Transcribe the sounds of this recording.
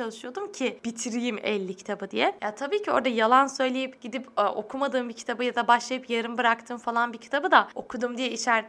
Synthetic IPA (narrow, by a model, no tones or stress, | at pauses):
alˠɯʃɯjo̞d̪umcʰɪb̥it̪ʰiɾijimɛ̰lʲːicʰt̪ʰabɯd̪ijɛjat̪ʰabiːcʰio̞̰ɾd̪ajalˠansø̞jlʲejipɟid̪ipʔo̞kʰumad̪ɯːmbicʰi̥t̪ʰabɯjad̪abaʃlˠajɯpjaɾɯmbɯɾak̚t̪ʰɯːmfalˠanbicʰi̥t̪ʰabɯd̪ao̞kʰud̪umd̪ijɛiʃæɾ